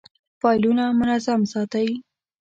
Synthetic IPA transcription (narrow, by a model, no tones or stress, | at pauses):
fɑjlunamʊnazamsɑt̪awi